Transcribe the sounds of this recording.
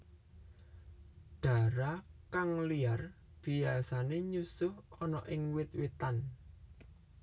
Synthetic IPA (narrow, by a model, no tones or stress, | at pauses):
ɖ̥a̤ɾakaŋliar | b̥i̤asaneɲusʊhɔnɔʔɪŋwɪt̪̚wet̪an